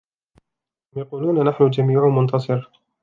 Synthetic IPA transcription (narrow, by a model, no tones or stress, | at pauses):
hʊmjɑquːluːnanaħnʊd͡ʒamiːʕʊmʊnt̪ɑsˤɨɾ